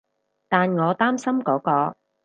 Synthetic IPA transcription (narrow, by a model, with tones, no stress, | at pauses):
t̪aː˨nŋɔː˨˧t̪aː˥msɐ˥mkɔː˨˥kɔː˧